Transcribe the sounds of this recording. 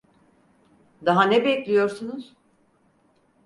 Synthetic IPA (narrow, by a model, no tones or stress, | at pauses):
d̪aɦanɛbɛclʲijo̞ɾsunuz̥